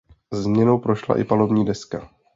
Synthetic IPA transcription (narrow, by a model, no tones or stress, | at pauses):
zmɲɛno̞wpɾo̞ʃla̰ʔɪ̰palo̞bɲiːdɛska